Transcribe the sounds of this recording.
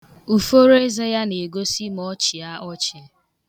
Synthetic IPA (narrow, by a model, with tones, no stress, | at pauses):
u˨fo˦ɾe˦ze˦ja˦ne˨ɡo˦si˦m˨ɔ˦t͡ʃi˨a˦ʔɔ˦t͡ʃɪ˨e˨˦